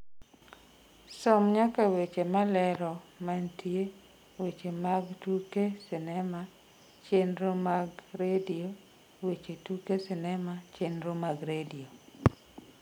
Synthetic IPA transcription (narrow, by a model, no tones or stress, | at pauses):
sɔmɲakawet͡ʃemalɛɾɔmantʰie | wet͡ʃemaɡtukesɪnɛma | t͡ʃenɾomaɡɾedio | wet͡ʃetukesɪnɛmat͡ʃenɾomaɡɾedio